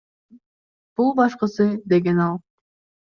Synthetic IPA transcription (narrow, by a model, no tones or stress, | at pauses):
b̥ulˠbɑʃqɤsɯd̪e̞ɡenɑlˠ